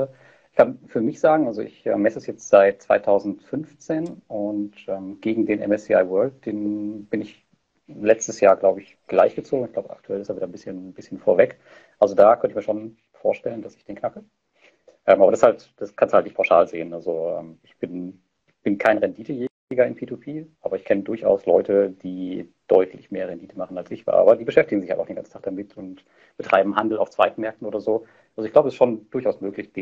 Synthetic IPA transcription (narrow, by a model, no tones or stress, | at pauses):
ɪçkʰanfyːɐmɪçz̥aːɡŋ̩ʔalzoʔɪ̰çʔɛ̰ːmːɛsəsjɛt͡stz̥aɪt̚t͡sv̥a̰ɪtʰaʊzn̩tfʏnft͡seːnʔʊntʔɛːmɡ̥eːɡŋ̩deːnʔɛ̰mɛsiaɪvœɐlt̚d̥eːnb̥ɪnɪç | lɛt͡stəsjaːɐɡlaʊbəɪçɡ̥la̰ɪçɡ̥ət͡soːɡŋ̩ɪçɡ̥laʊbəʔa̰k̚tʰuɛlɪstaviːdɐnbɪsçənbɪsçənfoːɐvɛk | ʔalzodaːkʰœntəçmiːɐʃoːn | foːɐʃtɛləndasɪ̥çd̥eːnkʰnaklə | ʔɛːmaːbɐɾashalt | d̥askʰanshaltnɪçtpʰaʊʃaːlzeːənʔalzoʔɛ̰ːmɪçb̥ɪn | b̥ɪnkʰaɪnəʁɛndiːtʰəje | ɪɡɐɪnpʰiːtʰupʰeːʔaːbɐɪçkʰɛnədʊɐçʔa̰ʊslɔʏtəd̥iːd̥ɔʏtʰlɪçmeːɐʁɛndiːtʰəmaχn̩alsɪç̥̰ʔa̰ːbɐdiːbəʃɛftɪɡŋ̩zɪçha̰ʔaʊd̥enɡant͡sn̩tʰaːkd̥amɪtʰʊnt | b̥ətʁ̥aɪbm̩ɦandl̩a̰ʊft͡sv̥aɪtn̩mɛɐk̚tn̩oːdɐzoː | ʔalzoɪçɡ̥laʊbəɛsʃoːnd̥ʊɐçaʊsmøːklɪçd̥e